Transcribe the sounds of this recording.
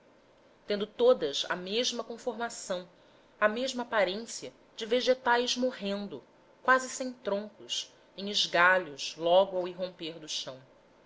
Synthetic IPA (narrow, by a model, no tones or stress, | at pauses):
t̪ẽnd̪ʊt̪od̪ɐsɐ̰meʒmɐkõfoɾmasɐ̃w̃ | ɐmeʒmɐaːpaɾẽsiɐ | d͡ʒɪveʒet̪ajzmoɦẽnd̪ʊ | kwazɪsẽj̃t̪ɾõŋkʊs | ẽj̃ɪʒɡaʎʊzlɔɡʊawiɦõmpeɾd̪ʊʃɐ̃w̃